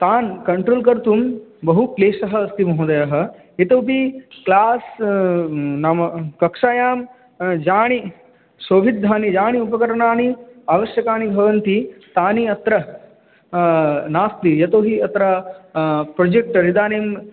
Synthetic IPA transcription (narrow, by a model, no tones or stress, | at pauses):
t̪aːnkɐɳʈɾoːlkɐɾt̪umbɐɦukleːʂɐɦɐːst̪imɐɦud̪ɐjɐɦɐ̆ | et̪ɐwpiklaːs | naːmɐkɐkʂaːjaːm | d͡ʒaːɳ̃i | soːʋʱid̪ʱːaːnid͡ʒaːɳ̃iupɐkɐɾɐɳaːniaːʋɐʃjɐkaːnibʱɐʋɐnt̪it̪aːniɐt̪ɾɐ | naːst̪ijɐt̪oːɦiɐt̪ɾɐ | pɾod͡ʒek̚ʈɾid̪aːneːm